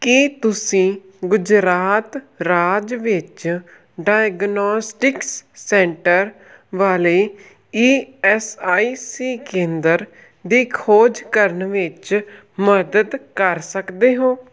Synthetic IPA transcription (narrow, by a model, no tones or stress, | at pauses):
kit̪ʊsĩː | ɡʊd͡ʒɾaːt̪ | ɾaːd͡ʒʋɪt͡ʃ | ɖaːjɡnɔːsʈɪksːɛ̃ːɳʈəɾ | ʋaːleː | iːɛːsaːiːsiːkẽːnd̪əɾ | d̪iːkʰoːd͡ʒkəɾəɳʋɪt͡ʃ | məd̪əd̪kəɾsəkd̪eːɦõː